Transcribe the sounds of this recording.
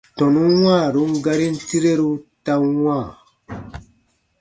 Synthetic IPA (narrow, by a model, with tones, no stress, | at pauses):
tɔ˨nũ˦wãː˦˨ɾu˦ŋ˦ɡa˦ɾi˦n̩˦ti˦ɾe˦ɾu˦ta˦wã˦˨